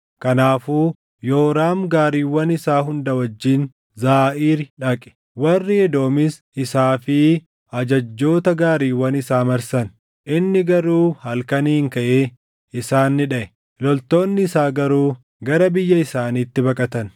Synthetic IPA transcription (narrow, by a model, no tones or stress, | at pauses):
kɐnaːfuː | jo̞ːɾaːmɡaːɾiːwɐnɪsaːɦʊnd̪ɐwɐd͡ʒːiːn | zaːʔiːɾɪᶑɐkʼɛ̥ | wɐrːɪɛd̪o̞ːmɪs | ɪsaːfɪ | ɐd͡ʒɐd͡ʒːo̞ːt̪ɐɡaːɾiːwːɐnɪsaːmɐɾsɐn | ʔɪnːɪɡɐɾuːhɐlkɐniːŋkɐʔeː | ɪsaːnːɪᶑɐʔɛ | ɪlɔlt̪o̞ːnːɪɪsaːɡɐɾuː | ɡɐɾɐbɪjːɐɪsaːniːt̪ːɪbɐkʼɐt̪ɐn